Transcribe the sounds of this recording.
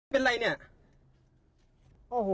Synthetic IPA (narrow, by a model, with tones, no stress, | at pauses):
pe˧nɾa˧jni˥˩ɐ | ʔoː˨˧˩ɦo˨˧